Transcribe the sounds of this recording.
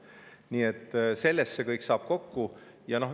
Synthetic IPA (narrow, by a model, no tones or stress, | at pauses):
niːet̪ːˑse̞lːestsekɤjksɑːb̥ko̞kːu | jɑno̞h